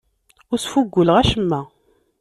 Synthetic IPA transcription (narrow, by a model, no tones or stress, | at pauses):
ʊɾsfuɡʷːʊləʁæʃəmːæ